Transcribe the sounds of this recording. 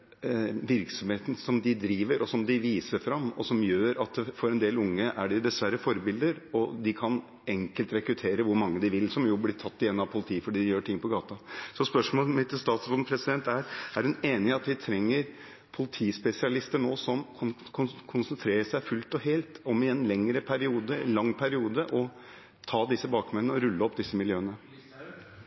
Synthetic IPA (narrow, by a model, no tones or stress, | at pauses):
ʋɪɾksɔmheːt̪n̩sɔmd̪ɪd̪ɾiːʋəɾɔsɔmd̪ɪʋiːsəfɾɑmːɔ̰sɔmjøːɾɑt̪fɔɾɛnd̪eːlʊŋːəʔæɖɪd̪ɛsʋæɾːəfɔɾbɪld̪əɾɔd̪ɪkʰɑn | ɛŋkəlt̪ɾɛkɾʉt̪ʰeːɾəʋʊɾmɑŋːəd̪ɪʋɪlsɔmjʊblɪtʰɑt̪ːɪjɛnːɑʋpʰʊlɪt̪ʰiːfɔɖiːd̪ɪjøːʈʰɪŋːpʰɔɡɑːt̪ɑsɔspœʂmoːlmɪt̪ːst̪ɑːt̪sbɔnpʰɾɛsɪd̪ɛnt̪æɾæɾɖhʉneːnɪɑt̪ʋɪt̪ʰɾɛŋːəɾ | pʰʊlɪt̪ʰiːspɛsɪɑlɪst̪əɳoːsɔmʰkʰʊkʰʊnsənt̪ʰɾeːɾəsæɪfʉlt̪ɔheːlt̪ɔmɪɛnlɛŋɾəpʰæɾɪuːd̪əlɑŋːpʰæɾɪuːd̪əʔɔ | t̪ʰɑːd̪ɪsːəbɑːkmɛnnəɔɾʉlːəɔpːd̪ɪsːəmɪljøːənə